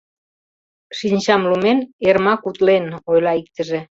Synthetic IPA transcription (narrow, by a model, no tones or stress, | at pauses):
ʃinʲt͡ɕɑmlumenermɑkut̪lenojlɑik̚t̪ə̆ʒe